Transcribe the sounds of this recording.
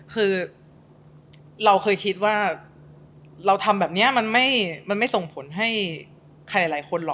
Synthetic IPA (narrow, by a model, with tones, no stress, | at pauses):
kʰɯː˧ | ɾa˧wkʰɤː˧jkʰi˦˥t̪̚waː˥˩ | ɾa˧wt̪ʰa˧mbɛː˨˩p̚ni˦˥ɐma˧nma˥˩jma˧nma˥˩jso˨˩ŋpʰo˨˩˦nɦa˥˩j | kʰa˧jla˨˩˦laː˩˦jkʰo˧nlɔː˨˩